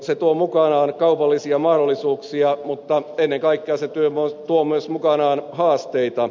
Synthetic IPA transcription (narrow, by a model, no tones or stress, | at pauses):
set̪uomukɑnɑːnkɑupɑlːisiɑmɑhdolːˑisuːksiɑmut̪ːɑenːeŋkɑikːeɑset̪yømot̪uomyøsmukɑnɑːnhɑːst̪eit̪ɑ